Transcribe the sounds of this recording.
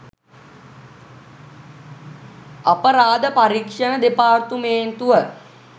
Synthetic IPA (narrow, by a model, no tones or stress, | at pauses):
apəɾaːd̪əpaɾikʂənəd̪epaːrt̪umeːnt̪uʋə